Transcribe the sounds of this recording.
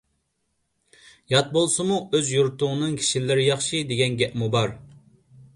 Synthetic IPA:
jɑt̪̚bolˠsɨmuøzjuɾt̪ʰʊŋnɨŋkʲʰi̥ʃilɪɾɪjɑχʃɨd̪eɡʲɛnɡʲɛʔmubɑɾ

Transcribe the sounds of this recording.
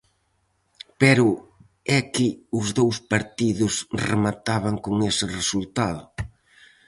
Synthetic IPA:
pɛɾʊ | ɛkɪʊzðowspaɾt̪iðʊsremat̪aβaŋkoŋesɪresult̪aðʊ

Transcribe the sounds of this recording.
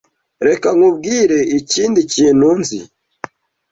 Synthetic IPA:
ɾekaŋub̚ɡiːɾe̞iciːndiciːnunzḭ

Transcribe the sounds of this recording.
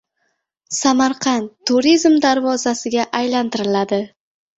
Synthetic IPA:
samaɾqʰɑnʰːuɾizmd̪aɾvɒzasɪɡʲaʔajlant̪ɪɾɪlad̪ɪ

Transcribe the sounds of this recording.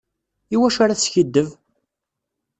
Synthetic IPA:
iwæʃaɾaθsçəd̪ːəv

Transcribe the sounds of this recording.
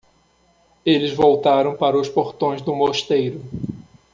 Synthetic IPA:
elɪzvowt̪aɾɐ̃w̃paɾɐʊspoɾt̪õj̃zd̪ʊmoʃt̪ejɾʊ

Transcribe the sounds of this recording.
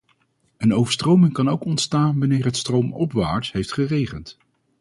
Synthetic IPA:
ənowvəɹstrowmɪŋkɑnowkɔntstaːnʋɑnɪːɹɦətstrowmɔpʋaːɹtɦejftχərejχənt

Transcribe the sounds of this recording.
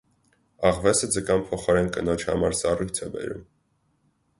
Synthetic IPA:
ɑʁvɛsəd͡zəkɑnpʰɔχɔɾɛnkənɔt͡ʃʰhɑ̰mɑɾsɑrujt͡sʰɛbɛ̰ɾṵm

